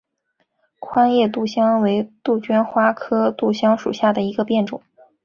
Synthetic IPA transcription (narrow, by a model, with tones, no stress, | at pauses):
kʰwa˥njɛ˥˧t̪̬u˥˩ɕjɑ˥ŋwe˧˥ɪt̪u˥˩t͡ɕɥɛ˥nxwa˥kʰɤ˥t̪u˥˩ɕjɑ˥ŋʂu˨˩ɕja˥˩d̪ə˩i˧˥ɡə˧pjɛ˥˩nʈ͡ʂʊ̰˨˩˦ŋ